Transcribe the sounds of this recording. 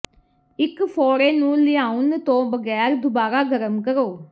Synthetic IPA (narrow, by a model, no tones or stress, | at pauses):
ɪkpʰɔːɾeːnũːlɪãːʊnt̪õːʋəɡɛːɾd̪ʊbaːɾaːɡəɾəmkəɾoː